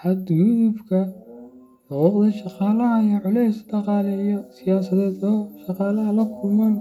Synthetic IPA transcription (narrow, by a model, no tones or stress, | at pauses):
ħɐd̪jut̪ubkʰɐ | lɔɔːqd̪ɐʃɑqɑːlɐɦɐjɐʕɔlɛjsɖɑqɑːlɛijɔsɪjaːsɐðɛːd̪ɔːʃɑqɑːlɐɦɐlɐkʰʊlmɐn